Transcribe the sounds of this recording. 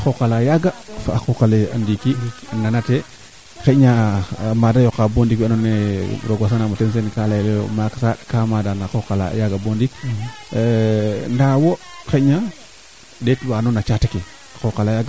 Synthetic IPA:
xokalajaɡafaaxokalea̰ndikinanate | keɲamadajokabondikanoneɾoɡwas̬anamutens̬enkalalemaksakamadanaxokala̰jaɡabondik | ndawokeɲa | detwanonat͡ʃataki | axokalajaɡa

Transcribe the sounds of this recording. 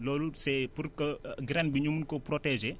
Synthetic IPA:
lɔːlusɛpurkəɡɾɛnbiɲumunkɔprɔtɛʒe

